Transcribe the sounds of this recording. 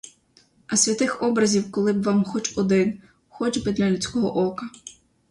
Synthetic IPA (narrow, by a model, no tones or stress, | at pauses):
ɐsʲʋʲɐt̪ɪxɔbɾɐzʲiwkɔlˠɪbʋɑmxɔt͡ʃɔd̪ɪn | xɔt͡ʃbɪd̪lʲɐlʲʊt͡sʲkɔɦɔʔɔkɐ